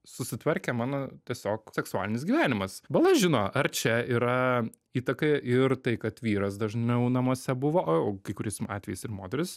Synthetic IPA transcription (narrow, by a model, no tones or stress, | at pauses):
sʊsʲɪt̪ʋɐɾʲkʲɛmɑːnoːt̪ʲiɛsʲoːksʲɛksʊɑ̰ːlʲɪnʲɪs̬ɡʲiːʋʲæːnʲɪmɐsbɐlˠɐʒʲɪnoːɐrt͡ʃʲɛiːɾɐ | iːt̪ɐkɐɪʔɪrt̪ɐɪkɐt̪ʋʲiːɾɐsd̪ɐʒʲnʲɛʊnɐmuːsʲɛbʊʋoːoːkɐɪkʊɾʲɛɪsɑ̰ːt̪ʲʋʲɛjɪsɪrmoːd̪ʲɛɾʲɪs